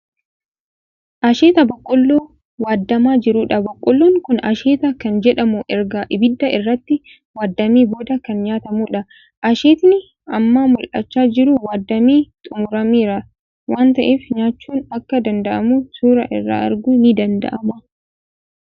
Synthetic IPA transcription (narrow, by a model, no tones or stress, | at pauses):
ʔɐʃeːt̪ɐbɐkʼːɔlːoː | waːd̪ːɐmaːd͡ʒɪɾuːᶑɐbɐkʼːɔlːoːŋkʊnɐʃeːt̪ɐkɐnd͡ʒɛᶑɐmʊʔɛɾɡɐʔɪbɪd̪ːɐʔɪrːɐt̪ːɪ | waːd̪ːɐmiːbo̞ːd̪ɐkɐnɲaːt̪ɐmuːᶑɐ | ʔɐʃeːt̪nɪ | ɐmːaːmʊlʔɐ̰t͡ʃːaːd͡ʒɪɾʊwaːd̪ːɐmiːt̪ʼʊmʊɾɐmiːɾɐ | waːnt̪ɐʔeːfɲaːt͡ʃːuːnɐkːɐd̪ɐnd̪ɐʔɐmusuːɾɐʔɪ̰rːa̰ɐ̰ɾɡunɪd̪ɐnd̪ɐ̰ʔɐmɐ